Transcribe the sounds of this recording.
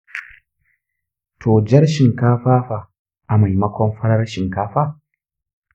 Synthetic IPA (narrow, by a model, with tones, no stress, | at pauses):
tʰoː˨d͡ʒɐ˦ɾʃɪ˨ŋkaː˦ɸaː˦ɸa˨ | ʔa˨ma˨jmɐ˦kʷɔ˦mɸɐ˦ɽɐ˦rʃɪ˨ŋkaː˦ɸaː˦